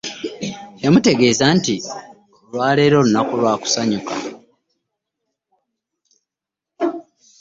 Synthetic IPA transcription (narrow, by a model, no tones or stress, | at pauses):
emute̞ɡe̞ːzanti | ulwaːle̞ːɾo̞lunakulwaːku̥saɲuka